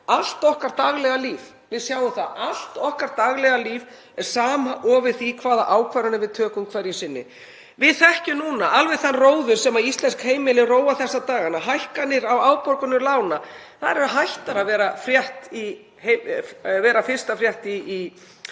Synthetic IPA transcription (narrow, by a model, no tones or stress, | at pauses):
al̥t̪ɔhkaɾ̥t̪aɣlɛɣaliːv | vɪðsjaːwʏmθaal̥t̪ɔhkaɾ̥t̪aɣlɛɣaliːv | ɛɾ̥saːmaʔɔːvɪθikʰvaːðaʔaːwkʰvajɾanɪvɪðt̪ʰœːkʏmkʰvaɾjɪsɪnːɪ̰ | vɪðθɛhcʏnuːnaʔalvɛθanroːwðʏɾ̥sɛmaist̪lɛnskheːjmɪlɪroːwaθɛsːat̪aːɣanaɦajhkanːɪɾawaːwpɔɾkʏnːʏlaːwnaθaðɛɾɦajht̪aɾavɛːɾafɾjɛht̪i | hevɛːɾafɪr̥st̪afɾjɛht̪iː